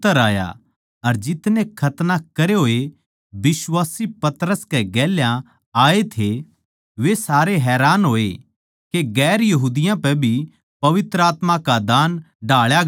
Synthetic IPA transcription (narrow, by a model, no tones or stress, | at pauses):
əɾaːja̰ | ɐɾd͡ʒɪt̪nẽkʰɐt̪nakɐɾeɦoːe | bɪsʋaːsipɐt̪ɾəskɛɡɛːljã | aːet̪ʰe | ʋesaːɾeɦɛːɾaːnɦoːe | keɡɛːɾjɐɦuːd̪ɪjãpɛ̃bʱi | pɐʋɪt̪ɾəaːt̪mãkad̪aːn | ɖʱaːɭja